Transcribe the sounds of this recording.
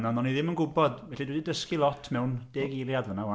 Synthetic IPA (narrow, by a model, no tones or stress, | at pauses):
nanɔniðɪmənɡʊbɔd̥vɛɬidwdidəskilˠɔtʰmɛwnd̥eːɡelˠjadvənawa